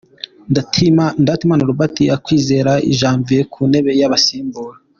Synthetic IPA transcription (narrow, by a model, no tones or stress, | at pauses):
ndatʰimandatimanuɾubatiakwiːze̞ːɾaḭʒaːɱviɾekʰune̞βe̞jaβasiːmbuːɾa